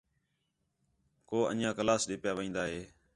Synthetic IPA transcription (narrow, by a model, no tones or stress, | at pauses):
koːə̰njãːkəlaːsɗɪːpjaːʋəĩːnd̪aːɦeː